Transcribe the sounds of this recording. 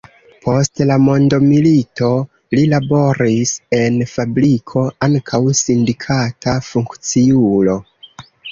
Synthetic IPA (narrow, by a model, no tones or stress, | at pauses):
pʰo̞stlamo̞ndo̞milito̞ | lilabo̞ɾise̞nfabɾikʰo̞aŋkʰawsindikʰatʰafuŋkt͡siulo̞